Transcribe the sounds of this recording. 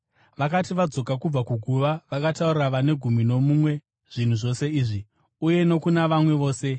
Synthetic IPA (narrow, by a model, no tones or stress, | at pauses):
ʋakatiʋad͡zo̞kakub͡vakuɡʱuʋaʋakataurɾaʋane̞ɡʱumino̞mumwe̞ | ʐ̥in̤uʐo̞se̞iːʐi | uje̞no̞kunaʋamwe̞ʋo̞ːse̞